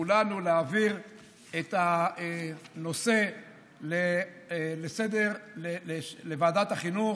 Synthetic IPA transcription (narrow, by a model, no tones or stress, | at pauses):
ulanuleaviʁ | et̪a | no̞se̞ | le | lese̞d̪e̞ʁlelelevaːdat̪aχinu